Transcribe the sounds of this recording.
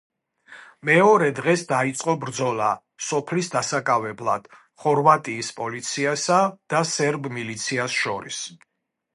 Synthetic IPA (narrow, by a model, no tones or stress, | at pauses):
mɛɔɾɛd̪ʁɛsd̪ait̪sʼqʼɔbɾd̪zɔlˠa | sɔpʰlisd̪asakʼavɛblˠa̰d̪̥ | χɔɾvat̪ʼiːspʼɔlit̪sʰiasad̪̥asɛɾbmilit̪sʰiasʃɔɾḭs